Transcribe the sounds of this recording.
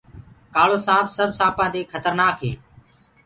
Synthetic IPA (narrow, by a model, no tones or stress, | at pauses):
kaːɭoːsãːbsəbʱsãːpãːd̪eːkʰət̪əɾnaːkɦḛː